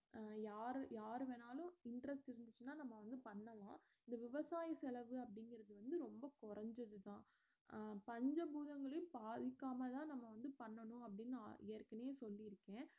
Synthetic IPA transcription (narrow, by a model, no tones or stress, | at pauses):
jaːɾɯjaːɾɯʋeːnaːlʊ̃ɪɳɖɾɐsʈɪɾɯnd̪ɯt͡ʃːɯnːaːnɐmːɐʋɐnd̪ɯpɐɳːɐlã̰ː | ɪnd̪ɐʋɪʋɐsaːjɐsɛlɐʋɯɐpːɐɽɪŋɡɪɾɐðɯʋɐnd̪ɯɾɔmbɐkʊɾɐɲd͡ʒɐðɯt̪ãː | pɐɲd͡ʒɐbuːðɐŋɡɐɭɯpaːðɪkːaːmɐt̪ãːnɐmːɐʋɐnd̪ɯpɐɳːɐnʊ̃ɐpːɐɽɪn̰ːɛːɾkɐneːsɔlːɪɪɾɯkːẽː